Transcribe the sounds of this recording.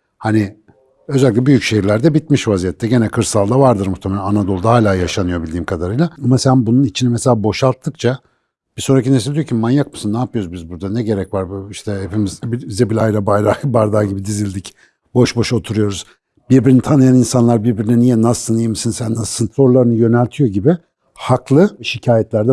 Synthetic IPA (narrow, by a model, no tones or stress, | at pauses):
hani | ø̞zælʲicʲɛbyjycʃeɦiɾlʲæɾd̪ɛbit̪̚miʃvazijɛt̪ʰːɛɟe̞nɛkʰɯɾsalˠd̪avaɾd̪ɯɾmuxt̪ʰemelʲænanad̪o̞lˠd̪ahaːlʲaːjaʃanɯjo̞bilʲd̪iːmkʰad̪aɾɯjlˠaamasænbununit͡ʃʰinimɛselʲaːbo̞ʃalˠt̪ʰːɯk̚t͡ʃʰa | b̥iso̞nɾacines̬ilʲd̪ijocʰimanjakmɯsɯnːaːpʰɯjoɾuzbizbuɾd̪anɛɟe̞ɾɛcvaɾbuiʃt̪ʰɛhepimizbibizɛbilʲajɾabajɾabaɾd̪aːɟibid̪izilʲd̪ic | bo̞ʃbo̞ʃo̞t̪ʰuɾujo̞ɾuz̥ | biɾbiɾinit̪ʰanɯjaninsanlˠaɾbiɾbiɾinɛnijɛnasɯnijmɯsɯnsænd̪asɯnt̪lˠo̞ɾlˠaɾɯnɯjø̞nælʲt̪ʰijo̞ɟibɪ | haklˠɯʃicʰaːjɛt̪lʲæɾd̪ɛ